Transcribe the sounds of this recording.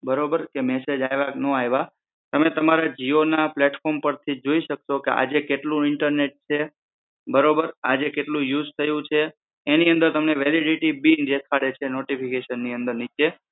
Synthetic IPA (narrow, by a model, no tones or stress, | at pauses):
bəɾobəɾkemɛsed͡ʒajʋaknõajʋa | t̪əmet̪əmaɾad͡ʒionaplɛʈfɔɾmpəɾt̪ʰid͡ʒoiʃəkʃokeʔa̰d͡ʒekeʈlũɪɳʈəɾneʈ̚t͡ʃʰe | bəɾobəɾad͡ʒekeʈlũjud͡ʒt̪ʰəjũt͡ʃʰeː | niə̃nd̪əɾt̪əmneʋɛliɖiʈibind͡ʒet̪ʰaɽet͡ʃʰenoʈipʰikeʃənːiə̃nd̪əɾnit͡ʃe